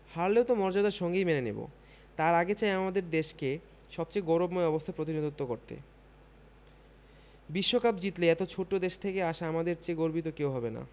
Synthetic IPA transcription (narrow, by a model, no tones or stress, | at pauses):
haɾleot̪omɔɾd͡ʑod̪aɾʃɔŋɡejmenenḛbo̰ | t̪aɾaɡet͡ɕaeamad̪eɾd̪eʃke | ʃɔb̚t͡ɕejɡoɾobmoeɔbost̪ʰapɾot̪̬inod̪ut̪ːokoɾt̪ḛ | biʃːokapd͡ʑit̪leɛt̪ot͡ɕʰoʈːod̪eʃt̪ʰekeaʃaamad̪eɾt͡ɕeɡoɾbit̪okewɦɔbena̰